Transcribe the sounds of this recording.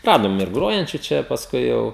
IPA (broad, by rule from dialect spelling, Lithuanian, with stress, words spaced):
ˈrɑːdoːm ɪr ˈɡroːjɛnʲt͡ʃʲʊ ˈt͡ʃʲɛ pɐsˈkʊɪ jɛʊ